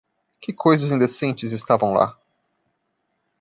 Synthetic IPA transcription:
kɪkʰojzɐzĩnd̪esẽnt͡ʃɪzɪst̪avɐ̃w̃la̰

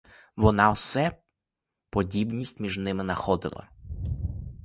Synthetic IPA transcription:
ʋɔnɑwsɛ | pɔdʲibnʲisʲtʲmʲiʒnɪmɪnɐxɔd̪ɪ̰lˠɐ̰

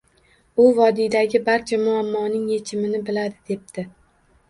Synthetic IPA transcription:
ʊvɒd̪id̪aɡʲɪbaɾt͡ʃʰamʊamːɒnɪŋje̞t͡ʃʰɪmɪnɪbɪlad̪ɪd̪e̞p̚t̪ɪ

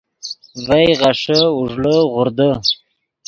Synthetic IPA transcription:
vajʁaʂəuʐləʁʊɾd̪ə

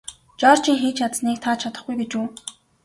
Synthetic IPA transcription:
t͡ɕɔːr̥t͡ɕiŋxeːt͡ɕʰat̪t͡sniːk̚t̪ʰaːt͡ɕʰat̪ə̆χɡujɡet͡ɕuː

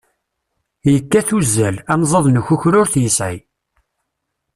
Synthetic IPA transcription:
jəkːæθuzːælænzˤɑðˤnəçʊçɾʊɾθjəsʕi

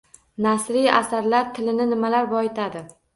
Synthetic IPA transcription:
nasɾija̰saɾlaɾt̪ʰɪlɪnɪnɪmalaɾbɒɪt̪ʰad̪ɪ

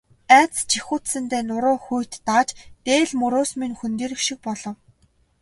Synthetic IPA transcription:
æːt͡st͡ɕʰixuːt̪sɘ̆nt̪eːnʊɾʊːxujʰt̪ːaːt͡ɕt̪eːɮmɵɾʊːsmiŋxɵnt̪iːɾɘ̆kʃik̚pɔɮɞ̆w

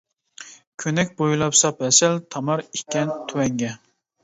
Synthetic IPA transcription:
kʲʰønɛkʲbojulˠɑpsɑpɛsɛlt̪ʰɑmɑɾikʲːɛnt̪ʰywɛŋɡʲɛ

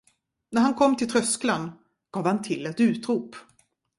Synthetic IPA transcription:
næɾhankʰɔmːt̪ʰɪlt̪ʰɾœsklan | ɡ̥ɑːvhant̪ʰɪlːɛt̪ʉ̟ːt̪ɾuːp

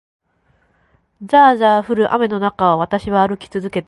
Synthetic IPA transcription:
zaːzaːɸɯ̟ɾɯ̟ʔa̰me̞no̞nakaoβ̞at̪aɕiβaːɾɯ̟kʲi̥t͡sɨzɨke̞t̪

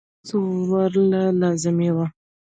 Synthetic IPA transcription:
sowaɾlalɑzɪmewa

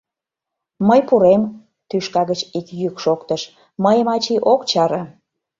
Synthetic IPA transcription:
məjpuɾem | t̪yʃkɑɣət͡ɕikjykʃokt̪əʃ | məjəmɑt͡ɕiʔokt͡ɕɑɾə

